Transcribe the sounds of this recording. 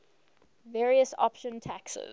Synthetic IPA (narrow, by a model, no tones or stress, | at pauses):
vɛːɹiəsɔ̰pʃə̃ntʰæksɪ̰z